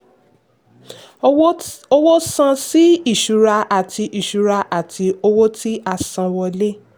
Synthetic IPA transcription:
o˧wo˦sã˧si˦i˦˨ʃu˨ɾa˧a˨ti˧ʔi˨ʃu˨ɾa˧ʔa˨tʰi˧o˧wo˦tʰi˦ʔa˧sã˧wɔ˧le˦

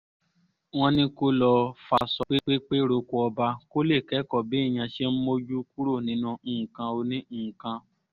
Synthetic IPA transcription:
w̃ɔ̃˦nĩ˦ko˦lɔ˧fa˧˨sɔ˨k͡pi˦k͡pe˦k͡pe˦ɾo˧ku˧ɔ˧ba˧ko˦le˦˨kɛ˨˦kɔ˦˨bi˨˦˨j̃ã˧ʃe˦m̩˦mo˦d͡ʒu˦ku˦ɾo˦˨nĩ˨˦nũ˧ñ̩ː˨kã˧o˧nĩ˦˨kã˧

